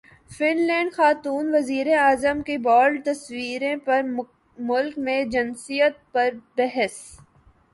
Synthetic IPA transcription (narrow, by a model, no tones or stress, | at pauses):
fɪnlɛ̃ːɳɖxaːt̪uːnʋɐziːɾeaːzəmkebɔːɾɖ̚t̪ɐswiːɾẽpɐɾ | mʊlkmẽd͡ʒɪnsijət̪̚pɐɾbɛɦəs